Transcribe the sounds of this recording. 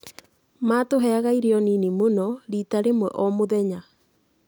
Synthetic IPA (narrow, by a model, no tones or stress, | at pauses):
maːtoɦɛaɣaiɾeɔninimonɔɾitaɾemwɛ̰ʔɔmoðɛɲa